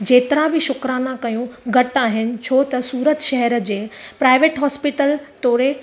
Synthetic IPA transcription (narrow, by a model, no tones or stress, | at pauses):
d͡ʑeːt̪ɪɾabɪʃʊkɾaːnãkɐjũɡʱɐʈaːɦɪnɪ̆t͡ɕʰoːt̪ɐsuːɾət̪ʃɛɦɛɾd͡ʑeːpɾaːɪʋeːʈɦɔːspɪʈəlt̪oːɾe